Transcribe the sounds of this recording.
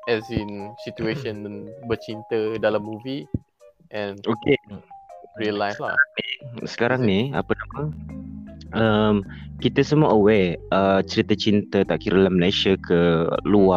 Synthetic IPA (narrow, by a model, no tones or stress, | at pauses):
ɛzĩnsit̪ueʃə̃nbət͡ʃint̪ədalamːuvi | ʔɛ̃noke | ɹiəllajsla̰aɾaŋnisə̥kaɾaŋnia̰pənamə | ʔəmkit̪əsəmuaʔəweʔət͡ʃəɾit̪ət͡ʃint̪ət̪aʔkiɾəlaməlajʃakʰəlua